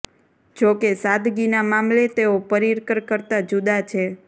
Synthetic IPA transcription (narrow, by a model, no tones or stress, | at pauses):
d͡ʒokesad̪ɡinamamlet̪eopəɾiɾkəɾkəɾt̪ad͡ʒud̪at͡ʃʰe